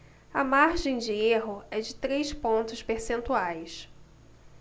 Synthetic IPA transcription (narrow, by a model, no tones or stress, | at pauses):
ɐmaɾʒẽj̃d͡ʒɪeɦʊɛd͡ʒɪt̪ɾejspõnt̪ʊspeɾsẽnt̪uajs